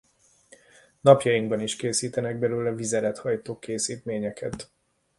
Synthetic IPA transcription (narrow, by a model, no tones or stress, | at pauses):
nɒpjɒjiŋɡbɒniʃkeːsiːt̪ɛnɛɡ̚bɛløːlɛvizɛɾɛt̪hɒjt̪oːkeːsiːt̪meːɲɛkʰɛt̪